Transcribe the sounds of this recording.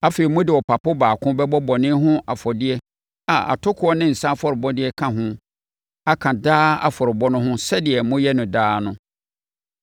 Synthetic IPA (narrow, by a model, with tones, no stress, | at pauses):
a˦feː˨ɾi˨mʊ̃˦dɪ˨wɔ˨pʰa˨pʊ˦baː˨kʰʊ̃˦bɛ˦bɔ˦bɔ˨nɪ̃˦ɦʊ̃˦ʔa˨fɔ˨dɪ˦ɛ˦ | a˨a̰˨tʰʊ˦kʰʊ˦ɔ˦nɪ̃˦n̩˨sã˦fɔ˨ɾɪ˨bɔ˦dɪ˦ɛ˦kʰã˨ɦʊ̃˦ | a˦kʰã˨daː˦a̰˨fɔ˨ɾɪ˨bɔ˦nʊ̃˦ɦʊ̃˦sɛ˦dɪ˨ɛ˨mʊ̃˦jɛ˦nʊ̃˨daː˦nʊ̃˦